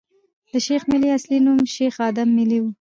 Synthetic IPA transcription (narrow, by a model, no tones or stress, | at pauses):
d̪̥əʃexmɪliaslinumʃexɑd̪amːɪliwu